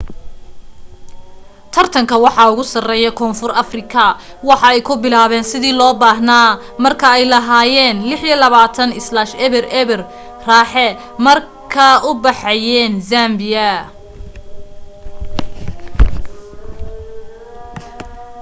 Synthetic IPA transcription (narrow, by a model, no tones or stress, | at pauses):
t̪ʰɐrt̪ʰɐŋkʰɐwɑħɑʊɣʊsɐrɛːjɐkʰɔːnfʊrɐfrɪkʰɐ | wɑħɑɛjkʰʊbɪlaːβɛːnsɪðiːlɔːbaːɦnaː | mɐrkʰɐɛjlɐɦaːjɛːnlɪħjilɐβaːt̪ʰɐnɪslaːʃɛβɪrɛβɪr | raːħɛ | mɐr | kʰɐʔʊbɑħɛjɛːnzaːmbɪjɐ